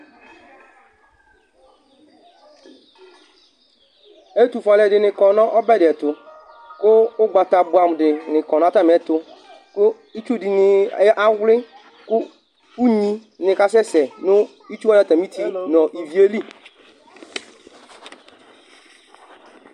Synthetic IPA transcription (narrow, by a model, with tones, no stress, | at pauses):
e˦tu˨fa˨lɛ˨dɪ˨nɪ̃˨kɔ˨nɔ̃˦ʔɔ˦bɛ˦dɪ˨ɛ˨tʊ˨ | kʊ˦ʊ˦ɡ͡ba˨ta˨bʊ˨a˨m˨dɪ˨nɪ̃˨kɔ˨nɔ˨a˦ta˦m˨ɛ˨tʊ˨ | kʊ˦ | i˦t͡ʃu˦di˨nɪ˨˦ʔa˦wlɪ˦ | kʊ˦ | u˦ɲĩ˦nɪ̃˨ka˦s̬ɛ˦sɛ˨nʊ˦ | i˦t͡ʃu˦a˦da˦˨ta˨mĩ˦tʰi˨nɔ̃˨ʔi˨vi˨e˦li˦